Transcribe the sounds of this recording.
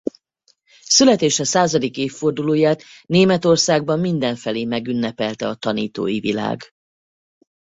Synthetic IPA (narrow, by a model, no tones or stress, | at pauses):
sylɛt̪eːʃɛsaːzɒd̪ikeːfːo̞rd̪uloːjaːt̪neːmɛt̪o̞rsaːɡ̚bɒmːind̪ɛɱfɛleːmɛɡynːɛpɛlt̪ɛɒt̪ɒniːt̪o̰ːjivila̰ːɡ